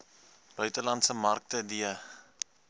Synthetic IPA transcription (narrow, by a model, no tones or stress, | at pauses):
b̥œɥtəlɐntsəmɐrk̚tədiə